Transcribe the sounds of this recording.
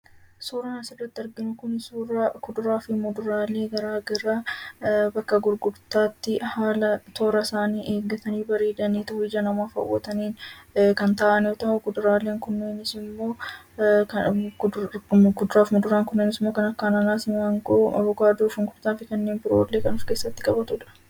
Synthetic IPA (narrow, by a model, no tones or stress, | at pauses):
suːɾɐnɐsɪrːɐt̪ːɪɐɾɡɪnʊkʊnɪsuːɾakʊd̪ʊɾaːfɪmɔd̪ʊɾaːleːɡɐɾaːɡɐɾa | bɐkːɐɡʊɾɡʊɾt̪aːt̪ːɪhaːlɐt̪ʰo̞ːɾɐsaːniːʔe̞ːɡːɐt̪ɐniːbɐɾe̞ːd̪ɐniːt̪ʊɪd͡ʒɐnɐmaːfɐ̰wːɐ̰t̪ɐniːnkɐnt̪ɐʔɐnjoːt̪ɐʔʊkʊd̪ʊɾaːleːŋkʊnːeːnɪsɪmːo̞ː | k | ɡʊd̪ʊɾaːfmɔd̪ʊɾaːŋkʊnːeːnɪsɪmːoːkɐnɐkːaːnɐnaːsɪmɐŋkʼoʔɐ̰bɔkaːd̪oːfɐŋɡʊɾt̪aːfɪkɐnːe̞ːnbɪɾo̰ːlːe̞ːkɐnʊfke̞ːsːɐt̪ːɪkʼɐbɐt̪ʊᶑɐ̥